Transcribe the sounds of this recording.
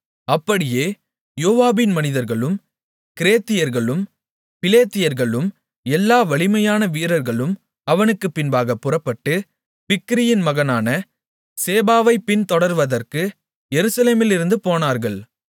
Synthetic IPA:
ɐpːɐɽɪjeː | joːʋaːbɪnmɐnɪðɐɾɣɐɭɯm | kɪɾeːt̪ːɪjɐɾɣɐɭɯm | pɪleːt̪ːɪjɐɾɣɐɭɯm | ɛlːaːʋɐɭɪmɐjaːnɐʋiːɾɐɾɣɐɭɯm | ɐʋɐnɯkːɯpːɪnbaːɣɐpːɯrɐpːɐʈːɯ | pɪkːɪɾɪjɪnmɐɣɐnaːnɐ | seːbaːʋɐɪpːɪnt̪ɔɽɐɾʋɐðɐrkɯ | jɛɾɯsɐleːmɪlɪɾɯnd̪ɯpoːnaːɾɣɐɭ

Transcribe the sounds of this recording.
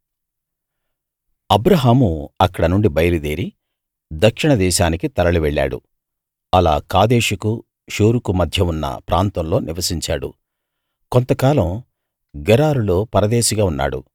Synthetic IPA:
ɐbɾɐɦaːmuɐkːɐɽɐnuɳɖibɐjɐlid̪eːɾi | d̪ɐkʂiɳɐd̪ɛːʃaːnikit̪ɐɾɐɭuʋɛɭːa̰ːɽṵ | ɐla̰ːkaːd̪e̞ːʃuku | ʃoːɾukumɐd̪ʱjɐunːɐ̰pɾʔaːnt̪ɐmlo̞ːnʔiʋɐsiɲt͡ʃaːɽṵ | kont̪ɐkaːlɐm | ɡɛɾaːɾulo̞ːpɐɾɐd̪eːʃɐɡaːunːa̰ːɽṵ

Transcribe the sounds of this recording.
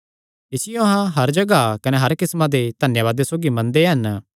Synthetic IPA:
ɪsɪjoɐɦãɦɐɾd͡ʒɐɡakɐneɦɐɾkɪsmãd̪ed̪ʱɐnjaβaːd̪esoːɡimɐ̃nd̪eɦɐn

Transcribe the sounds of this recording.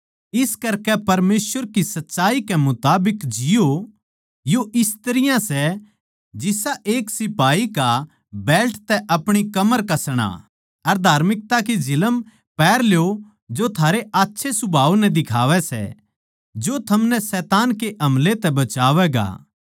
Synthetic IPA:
ɪskɐɾkɛpɐɾmeːsʋəɾkisɐtːʃaːikɛmʊt̪aːbɪkd͡ʒɪjo | joʔɪst̪ɐɾɪjãsɛ | d͡ʒɪsaʔeːksɪpaːika | bɛːlʈt̪ɛʔɐpɽ̃ikɐməɾkɐsɽ̃a̰ | ɐɾd̪ʱaːɾmɪk̚t̪ak̬id͡ʒɪləm | pɛːɾljo | d͡ʒot̪ʰaːɾeʔaːtːʃʰesʊbʱaːʋnɛd̪ɪkʰaːʋɛsɛ̰ | d͡ʒot̪ʰɐmnɛsɛːt̪aːnkeʔɐ̃mlet̪ɛbɐt͡ʃaːʋɛɡa̰ː

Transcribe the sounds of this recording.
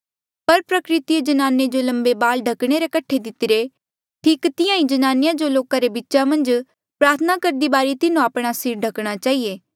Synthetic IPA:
pɐɾpɾɐkɾɪt̪ied͡ʒɐnaːned͡ʒolɐ̃mbebaːlɖʱɐkɽ̃eɾekɐʈʰːed̪ɪt̪ɪɾe | ʈʰiːkt̪ɪjãĩd͡ʒɐnaːnɪjãd͡ʒoloːkaɾebɪtːʃamɐ̃nd͡ʒ | pɾaːɾt̪ʰənakɐɾd̪ibaːɾit̪ɪnũapɽ̃asiːɾɖʱɐkɽ̃at͡ʃaːɦijeː

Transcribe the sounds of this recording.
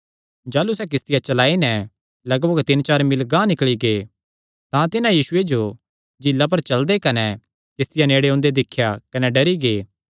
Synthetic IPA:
d͡ʒaːlusɛk̬ɪst̪ɪjat͡ʃɐlaːinɛ | lɐɡboːɡt̪ɪnt͡ʃaːɾmɪlɡãːnɪkɭiɡeː | t̪ãt̪ɪnãjiːsʊed͡ʒo | d͡ʒɪlːap̬ɐɾt͡ʃɐld̪ekɐnɛ | kɪst̪ɪjaneːɽeõːnd̪ed̪ɪkʰːjakɐnɛɖɐɾiɡeː

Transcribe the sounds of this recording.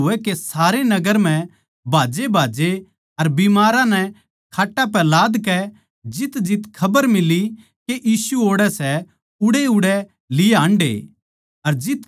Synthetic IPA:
ʊɛkesaːɾenɐɡəɾm̤ɛ̃ | bʱaːd͡ʒebʱaːd͡ʒe | ɐɾbimaːɾãnɛ | kʰaːʈːap̬ɛlaːd̪kɛ | d͡ʒɪt̪d͡ʒɪt̪kʰɐbəɾmɪli | keʔiːsuoːɽɛsɛ | ʊɽeʊɽɛ | lɪeãːɳɖḛː | ɐɾd͡ʒɪt̪

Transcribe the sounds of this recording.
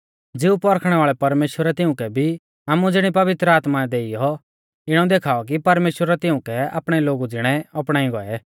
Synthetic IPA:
d͡zɪupɔɾkʰɽ̃ɛʋaːɭɛpɐɾmeːʃwəɾɛt̪ɪʊ̃kɛbʱi | aːmud͡zɪɽ̃ipɐʋɪt̪ɾəaːt̪maɛd̪eːijɔ | ɪɽ̃ɔd̪eːkʰaːɔk̬ipɐɾmeːʃwəɾɛt̪ɪʊ̃kɛa̰ːpɽ̃ɛloːɡud͡zɪɽ̃ɛɔpɽ̃aːĩɡɔɛ

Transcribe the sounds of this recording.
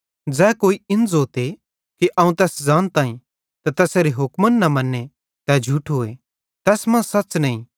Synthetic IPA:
d͡ʒɛːkoːiɪ̃nzoːt̪e | kiʔɐːũt̪ɛːsd͡ʒaːnt̪ãːĩ | t̪at̪ɛːseːɾeɦʊkmənːɐmɐnːe | t̪ɛd͡ʒʱuːʈʰɦoːe | t̪ɛːsmɐ̃sɐtːt͡ʃnɐĩː

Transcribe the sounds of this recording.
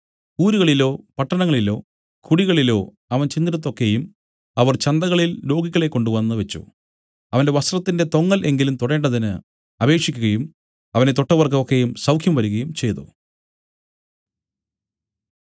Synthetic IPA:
uːɾuɣɐɭilo̞ːpɐʈːɐnɐŋːɐɭilo̞̰ː | kʰuɽiɣɐɭilo̞ː | ɐʋɐnt͡ɕind̪iɾɐt̪̬ːo̞kːejum | ɐʋɐrt͡ɕɐnd̪ɐɣɐɭillo̞ːɡikʲːɐɭe̞kːo̞ɳɖuʋɐnːɨʋet͡ɕːṵ | ɐʋɐnde̞ʋɐst̪rɐt̪ːinde̞t̪o̞ŋːɐlʔe̞ŋɡilumt̪oɽe̞ːɳɖɐðinɨ | ɐbe̞ːkʂikʲːuɣɐjum | ɐʋɐnet̪o̞ʈːɐʋɐrkɐmokːejumsɐwkʰjɐmʋɐɾuɣɐjumt͡ɕe̞jt̪o̰

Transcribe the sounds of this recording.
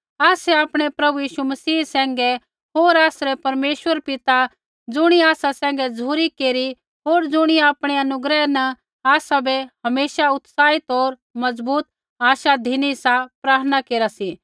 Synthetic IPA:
aːsɛaːpɽ̃epɾɐbujiːʃumɐsiːsɛ̃ːŋɡɛ | ɦoːɾaːsɾɛpɐɾmeːʃʋəɾpɪt̪a | d͡zʊɽ̃iaːsasɛ̃ːŋ̆ɡɛd͡zuːɾikeːɾi | ɦoːɾd͡zʊɽ̃iaːpɽ̃eɐnʊɡɾɛnɛ | aːsabɛhɐmeːʃaʊt̪saːɪt̪oːɾ | mɐd͡zbuːt̪̚ | aːʃad̪ʱinisãpɾaːɾənakeːɾasi

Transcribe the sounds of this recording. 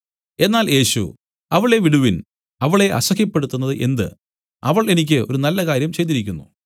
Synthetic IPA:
e̞nːaːlje̞ːɕṵ | ɐʋɐɭe̞ʋiɽuʋin | ɐʋɐɭe̞ʔɐ̰sɐɣjɐpːe̞ɽut̪ːunːɐðɨʔe̞nd̪ɨ̰ | ɐʋɐɭe̞nikʲːɨo̞̰ɾunɐlːɐkaːɾjɐmt͡ɕejt̪ːiɾikʲːunːṵ

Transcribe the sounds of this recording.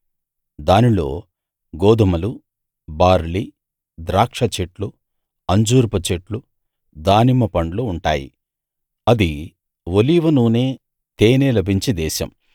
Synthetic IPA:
d̪aːnilo̞ː | ɡoːd̪ɐmɐlu | baːɾli | d̪ɾaːkʂɐt͡ʃeʈlu | ɐɲd͡ʒuːɾpɐt͡ʃeʈlu | d̪aːnimɐpɐɳɖluːɳʈaːjḭ | ɐd̪i | ʋoliːʋɐnuːneː | t̪eːneːlɐbʱiɲt͡ʃid̪ɛːʃɐ̰m

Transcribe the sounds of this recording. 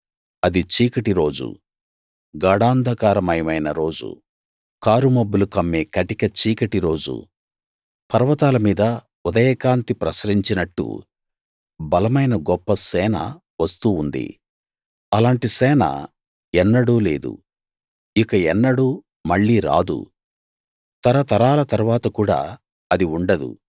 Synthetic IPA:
ɐd̪it͡ʃiːkɐʈiɾo̞ːd͡ʒṵ | ɡaːɽaːnd̪ʱɐkaːɾɐmɐjɐmɐjnɐɾo̞ːd͡ʒṵ | kaːɾumɐbːulukɐmːeːkɐʈikɐt͡ʃiːkɐʈiɾo̞ːd͡ʒṵ | pɐɾʋɐt̪aːlɐmiːd̪ɐ | ud̪ɐjɛːkaːnt̪ipɾɐsɾiɲt͡ʃinɐʈːṵ | bɐlɐmɐjnɐɡɔpːɐsɛːnɐ̰ | ʋɐst̪uːund̪ḭ | ɐlaːɳʈisɛːnɐ̰ | ɛnːɐɽuːle̞ːd̪ṵ | ikɐɛnːɐɽuː | mɐɭːiːɾa̰ːd̪ṵ | t̪ɐɾɐt̪ɐɾaːlɐt̪ɐɾuʋaːt̪ɐkuːɽa̰ː | ɐd̪iuɳɖɐd̪ṵ

